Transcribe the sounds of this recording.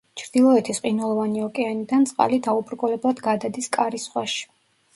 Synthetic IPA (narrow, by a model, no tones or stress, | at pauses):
t͡ʃʰɾd̪̥ilˠɔɛt̪ʰisqʼinwɛlˠɔvaniɔkʼɛanid̪ant̪sʼqʼa̰lid̪aubɾkʼɔlɛblˠad̪ɡad̪ad̪iskʼaɾisχwaʃi̥